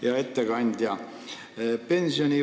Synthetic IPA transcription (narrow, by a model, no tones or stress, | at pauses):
jɑe̞t̪ːeɡ̥ɑnʲd̪̥ʲjɑ | pe̞nsionʲi